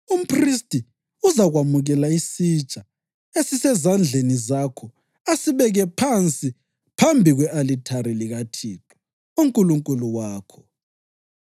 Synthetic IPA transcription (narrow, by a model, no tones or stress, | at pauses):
um̩pʰristʼi | uzaɣwamuɣɛlaisit͡ʃʼa | esisɛzand͡ɮʱenizakʰɔ | asiβɛɣɛpʰant͡sʼi | pʰambʱiɣwɛʔalitʰaɾiliɣatʰiːtʰɔ̥ | uŋkʼuluŋkʼuluwaːkʰɔ